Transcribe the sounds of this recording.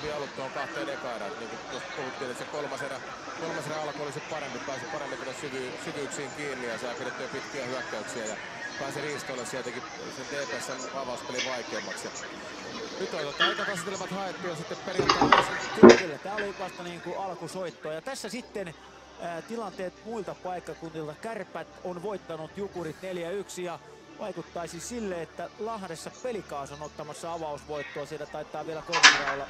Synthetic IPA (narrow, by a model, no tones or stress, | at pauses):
ʋiɑlut̪ːooŋkɑht̪ːˑeːnekɑeɾɑ̰t̪niːŋkut̪ost̪puhut̪ːiːnesekolmɑserɑ | kolmɑseræɑlkoolisit̪pɑɾempipæːsipɑrempit̪elːæssyʋysykyksiːŋkiːnːijɑsɑːfilet̪ːyɑpit̪kiæhyækːæyksiæjɑ | pæˑːsiriːst̪oilɑssiæt̪æki | sent̪eːpeːssenɑʋɑˑust̪eliʋɑikeːmːɑksjɑ | nyt̪ːɑt̪ot̪ːɑit̪ɑt̪ɑst̪ːelemæt̪hɑet̪ːujɑsit̪ːepperijɑt̪ːɑːɑsukst̪isilːæt̪æːoliʋɑst̪ɑniːŋkuʔɑlkusoit̪ːoɑjɑt̪æsːæsit̪ːen | t̪ilɑnt̪eːt̪muilt̪ɑpɑikːɑkunt̪ilt̪ɑkærpːæt̪onʋoit̪ːɑnut̪jukurit̪neljæyksijɑ | ʋʔɑikut̪ːɑisisilːeet̪ːælɑhdesːɑpelikɑːsonot̪ːɑmɑsːɑɑʋɑusʋoit̪ːoɑsiːlːæt̪ɑit̪ːˑɑːʋielækoret̪ɑolːɑ